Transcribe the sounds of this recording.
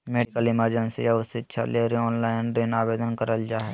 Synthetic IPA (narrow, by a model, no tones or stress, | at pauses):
meːɖɪkəlɪməɾd͡ʒə̃nsijaʊsːeətːʃʰa̰leɾeɔ̃ːnlaːɪneːnaːbeːd̪ənkəɾəld͡ʒaːɦe